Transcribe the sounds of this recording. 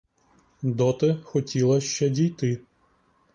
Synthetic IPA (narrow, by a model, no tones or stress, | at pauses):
d̪ɔt̪ɪxɔtʲilˠɐʃt͡ʃɛdʲijt̪ɪ